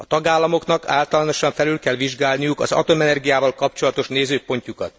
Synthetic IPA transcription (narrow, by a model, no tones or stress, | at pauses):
ɒt̪ɒɡaːlːɒmo̞kn̪ɒka̰ːlt̪ɒlano̞ʃɒɱfɛlylkɛlʋiʒɡaːlnijukɒ̰zɒ̰t̪o̞mɛnɛrɡijaːvɒlkɒpt͡ʃo̞lɒt̪o̞ʃneːzøːpo̞ɲcukɒt̪